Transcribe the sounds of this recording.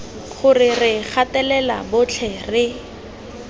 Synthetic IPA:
χʊrɪrɪχʰatɛlɛla̰bʊt͡ɬʰɛrɪ

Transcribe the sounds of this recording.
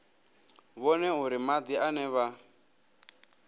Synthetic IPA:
βɔnɛɦuɾimad̪ianɛβa

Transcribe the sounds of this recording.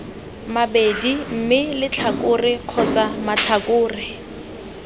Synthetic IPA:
mabedim̩mɪlɪt͡ɬʰakʊrɪq͡χʰɔt͡samat͡ɬʰakʼʊːrɪ

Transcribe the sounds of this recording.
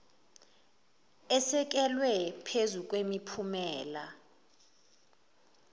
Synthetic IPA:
ɛsɛk̬ɛlwɛpʰezuk̬ʼwemipʰumɛːla

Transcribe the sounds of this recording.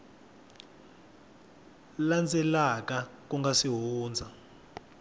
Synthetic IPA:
land͡zʱɛlak̬ak̬ʼuŋɡasiɦuːnd͡zʱa

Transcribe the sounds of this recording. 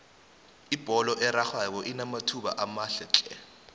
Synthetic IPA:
ib̥ʱɔlɔʔɛɾaxwak̬ɔʔinamatʰuɓa̰ʔamaɬɛt͡ɬʼɛ̰

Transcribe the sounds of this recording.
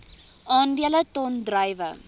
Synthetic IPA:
ʔɑːndiələtɔndrɐjvə̰

